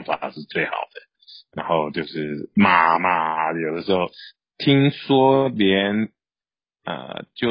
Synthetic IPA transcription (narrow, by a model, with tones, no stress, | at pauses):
ŋfa̰˨˩ʂɻ̩˥˧t͡swe˥˩ɪxɑ̰˨˩ʊd̪̥ə˦ | ɻa˧˥nxo˥˧ʊt͡ɕjo˥˧ʊʂɻ̩˥˩ma˨˩ma˨˩˧jo˨˩d̪ə˦ʂɻ̩˧˥xo˥˧˩ʊ | t̪ʰi˥ŋswɔ˥ljɛ˧˦˥n | ə̰˧˩t͡ɕjo˥˩ʊ